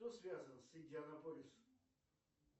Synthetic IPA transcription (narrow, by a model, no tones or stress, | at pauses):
osvʲazənsɪnʲdʲɪaɐnɐpolʲɪs